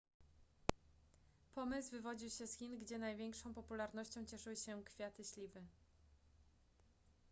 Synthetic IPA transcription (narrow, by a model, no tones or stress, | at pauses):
pɔmɘzvɘvɔd͡ʑiwɕɛsxʲinɡd͡ʑɛnajvʲjɛŋkʂɔ̃w̃pɔpulaɾnɔɕt͡ɕɔ̃w̃t͡ɕɛʂɘwɘɕɛkfʲjat̪ɘɕlʲivɘ